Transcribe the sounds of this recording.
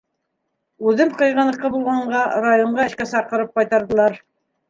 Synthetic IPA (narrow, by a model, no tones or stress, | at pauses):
ʉðɘmqɤ̆jʁɤ̆nɤ̆qːɤbulˠʁɑɴɢɑrajoɴɢɑɘ̆ʃkæsɑqɤ̆ɾɤp̚qɑjt̪ɑɾðɤ̆lˠɑɾ